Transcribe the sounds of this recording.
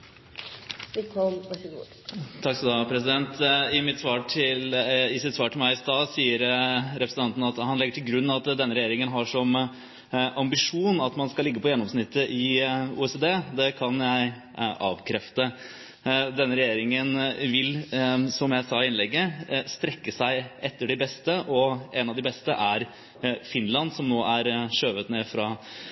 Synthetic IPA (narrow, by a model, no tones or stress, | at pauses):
ʋɛkʰɔmɑɡo | t̪ʰɑkːsɔd̪ɑpʰɾɛsɪd̪ɛnt̪ɪmɪt̪sʋɑːʈʰɪlɪsɪt̪sʋɑːʈʰɪlmæɪɪst̪ɑːsiːəɾɾɛpɾəsn̩ɑnt̪n̩ɑt̪hɑnlɛɡːəʈʰɪlɡɾʉnːɑt̪d̪ɛnːəɾɛjeːɾɪŋənɦɑʂɔm | ʔɑmbɪʂuːnɑt̪mɑnskɑlɪɡːəpʰɔjɛnːɔmsnɪt̪ʰːəʔɪṵːɛsed̪eːd̪ɛkʰɑnjæɪ | ʔɑ̰ːʋkʰɾɛft̪ə | d̪ɛnːəɾɛjeːɾɪŋənʋɪlsɔmjæɪsɑːɪnlɛɡːəst̪ɾɛkːəsæɪʔɛt̪ːəɖɪbɛst̪əʔɔɛnɑʋd̪ɪbɛst̪əʔæɾ | fɪnlɑnsɔmnoːʔæɾʂøːʋət̪neːfɾɑ